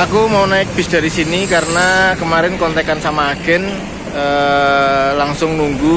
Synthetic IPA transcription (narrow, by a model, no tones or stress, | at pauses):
akumawnaɪk̚b̥i̤sd̥a̤ɾisinikaɾənakəmaɾɪnkɔnt̪ekansamaɡ̥ɛ̤n | ə | laŋsʊŋnuŋɡu